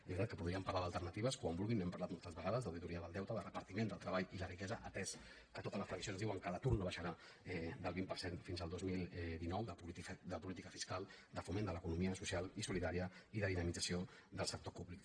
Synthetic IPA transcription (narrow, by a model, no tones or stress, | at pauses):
ezβitat̪̚kəpuðɾiəmpaɾlaðəlˠt̪ərnət̪iβəskwambulˠɣinɛmpɐɾlat̪molˠt̪əzβəɣaðəzðəwðit̪uɾiəðəlˠd̪ɛwt̪əðərəpəɾt̪imend̪əlˠt̪ɾəβaʎilərikɛzəʔət̪ɛs | kət̪ot̪ələsfɾəksionzðiwəŋkalət̪uɾnoβaʃəɾa | ɛd̪əlˠβimpəɾsenfinzəlˠd̪ozmilˠd̪inɔwðəpuid̪əpulit̪ikəfiskalˠ | d̪əfumend̪ələkunumiəsusialˠisuliðaɾiəiðəðinəmid͡zəsiod̪əlˠsək̚t̪opuβlik